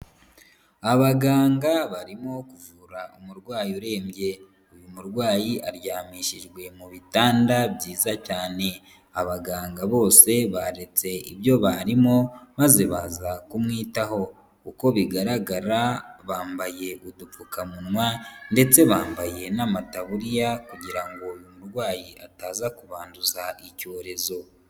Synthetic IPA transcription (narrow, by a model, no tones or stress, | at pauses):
aβaɡaːŋɡaβaɾimo̞kuvuɾaʔumuɾɡwaːjuɾe̞ːmɟe̞ | ujumuɾɡwaːjiʔaɾjaːmiʃiʒɡwe̞muβitaːndabɟiːzacaːne̞ | aβaɡaːŋɡaβo̞ːse̞βaɾe̞t͡se̞iβjo̞βaɾimo̞maze̞βazakumŋiːtaho̞ | kuko̞βiɡaɾaɡaɾaβaːmbaje̞ɡudufukamunŋwande̞t͡se̞βaːmbaje̞namataβuɾijakuɟiɾaŋɡo̞jumuɾɡwaːjiʔataːzakuβaːnduzaʔico̞ːɾe̞zo̞